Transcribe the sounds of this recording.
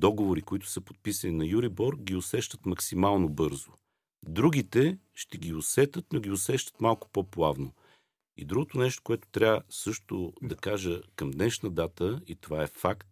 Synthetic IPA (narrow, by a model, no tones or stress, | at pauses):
d̪ɔɡovoɾikoit̪ʊ̥səpo̥t̪̚pisɐninɐjuɾibɔɾkɡiʊsɛʃt̪ət̪mɐksimalˠnobɤɾzo | d̪ɾuɡ̟it̪ɛʃt̪ɛɡʲiʊsɛt̪ət̪noɡʲiʊsɛʃt̪ə̥t̪malˠkʊ̥poplˠavno | ḭd̪ɾuɡot̪ʊnɛʃt̪o̥koɛt̪ʊ̥t̪ɾʲavəsɤʃt̪ʊd̪ɐkaʒəkɐmd̪nɛʃnəd̪at̪əit̪ovaɛfakt̪̚